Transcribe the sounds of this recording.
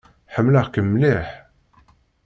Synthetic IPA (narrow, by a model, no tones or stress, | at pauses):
ħəmːləχkəmːliħ